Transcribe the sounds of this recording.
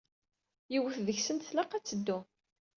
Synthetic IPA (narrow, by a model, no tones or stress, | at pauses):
jiwəθðəçsənt̪θlɑqæt͡sːəd̪ːʊ